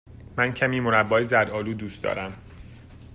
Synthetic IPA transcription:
mæncʰæmiːmonæbːɒːjezæd̪ɒːluːd̪uːst̪d̪ɒ̰ːɾæm

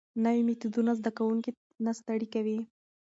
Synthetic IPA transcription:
nawimɪt̪ud̪unazd̪akawuŋki | nast̪aɽikawi

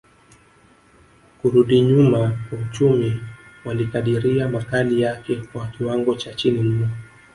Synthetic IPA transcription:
kuɾuɗiɲumakwaut͡ʃumiwalikaɗiɾiamakalijakɛkwawakiwaŋɡɔt͡ʃat͡ʃinim̩nɔ

